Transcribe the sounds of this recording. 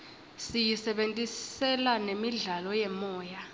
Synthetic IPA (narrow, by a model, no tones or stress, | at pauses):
sijisɛɓentʼisɛlanemiɮalɔjɛmɔːja